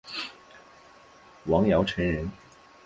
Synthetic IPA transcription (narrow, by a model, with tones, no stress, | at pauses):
wɑ˧˥ŋjɑ˧˥ʊʈ͡ʂʰə˨˥nɻə˨˧˥n